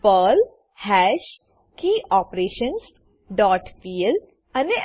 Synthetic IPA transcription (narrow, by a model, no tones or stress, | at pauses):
pəl | hɛːʃ | kiːʔɔːpɾeːʃəns | ɖɔːʈfiːəl | ɐne